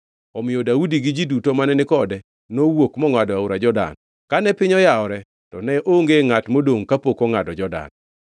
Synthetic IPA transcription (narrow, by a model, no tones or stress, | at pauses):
ɔmɪodaudiɡɪd͡ʒidutomanɛnɪkɔdɛ | nowokmɔŋwadɔaʊɾad͡ʒɔda̰n | kanɛpɪɲɔjaɔɾɛ | tɔnɛʔoŋɡeŋatmodoŋkapokoŋadɔd͡ʒɔda̰n